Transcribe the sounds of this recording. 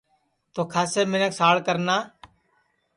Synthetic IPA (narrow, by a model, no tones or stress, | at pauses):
t̪oːkʰaːseːmɪnəksaːɭkəɾnaː